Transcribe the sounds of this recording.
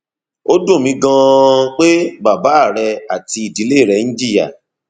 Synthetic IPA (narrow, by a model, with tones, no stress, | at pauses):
o˦do˦˨mĩ˨˦ɡã˧k͡pe˦ba˨ba˨˦˨ɾɛ˧a˨ti˧i˨di˨˦le˦˨ɾɛ˧˦ñ̩˦d͡ʒi˦˨ja̰˨